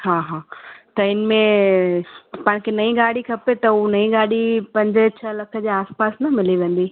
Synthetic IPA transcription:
ɦaːɦaːt̪ɐɪnmẽ | pãːɪ̃kʰenɐĩɡaːɽikʰɐpet̪ɐunɐĩɡaːɽipɐ̃ɲd͡ʑt͡ɕʰɐlɐkʰə̆d͡ʑeːaːspaːsnɐmɪliʋẽːn̆d̪i

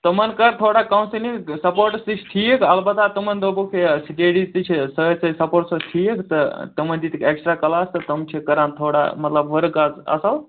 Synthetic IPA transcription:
t̪ɐmənkəɾt̪ʰoːɽaːkɐmsinisɐpoːʈsd̪it͡ʃʰt̪ʰijekʰɐlbɐt̪aːt̪ɐmɐnd̪oːbokʰesiɖeɖit̪it͡ʃʰsəsɐsɐpoːʈsot̪ʰijekʰt̪ɐt̪ɐmənd͡ʒ̪iːt̪ʰikʰeːksʈɾaːkɐlaːst̪ɐt̪ɐmt͡ʃʰikɐɾãːnt̪ʰoːɽa̰mɐt̪lɐbʋəɾɡaːzɐ̰sɐl

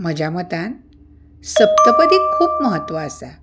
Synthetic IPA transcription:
m̤əd͡ʑʱamət̪ãn | səp̚t̪əpəd̪ikʰuːpməɦət̪ːʋəasa

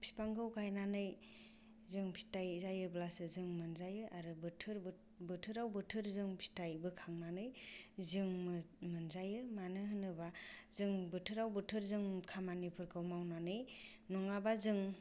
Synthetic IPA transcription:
pʰi̥paŋɡɯwkʰajnanɯj | zɯŋpʰi̥tajzajɯblasɯzɯŋmɯnzajɯʔaɾɯbɯtʰɯɾ | bɯtʰɯɾawbɯtʰɯɾzɯŋpʰi̥tajbɯkʰaŋnanɯjzɯŋmmɯnzajɯmanɯhɯnɯbazɯŋbɯtʰɯɾawbɯtʰɯɾzɯŋkʰamanipʰɯɾkʰɯwmawnanɯj | nɔŋabazɯŋ

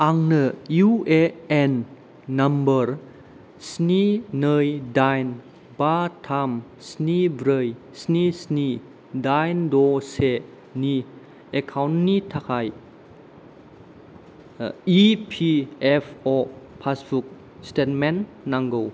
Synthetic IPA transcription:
aŋnəjueenː | ɐmbəɾ | sninəjdajn | batʰam | snibɾəj | snisni | dajndɔse | ni | ekʰawnːitʰakʰaj | ipʰiepʰɔpʰasbuk̚ | stet̚menː | aŋɡow

